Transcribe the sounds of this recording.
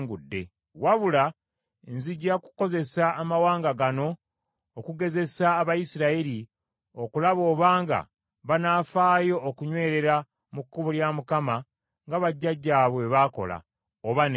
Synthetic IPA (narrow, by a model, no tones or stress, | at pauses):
ŋɡudːe̞̰ | waβula | enziɟaku̥ko̞ze̞saːmawaːŋɡaɡano̞ː | kuɡe̞ze̞saːβajisiɾaeɾi | okulaβo̞ːβaːŋɡa̰ | βanaːfaːjo̞ːkuɲwe̞ːɾe̞ɾa | mukːuβuljamukama | ŋɡaβaɟːaɟːaːβwe̞βako̞̰la̰ | oβan